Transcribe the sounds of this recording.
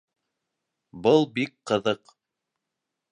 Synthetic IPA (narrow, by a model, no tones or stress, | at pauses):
bɤlˠbikqɤ̆ðɤq